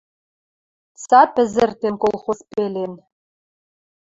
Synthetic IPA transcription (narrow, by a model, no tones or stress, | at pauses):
sapʰɘzɨrtʰemkʼolˠχʷospʼelen